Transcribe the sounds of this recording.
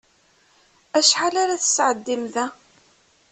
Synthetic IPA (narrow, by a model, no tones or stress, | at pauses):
æʃħalaɾaθə̥sːʕəd̪ːimðæ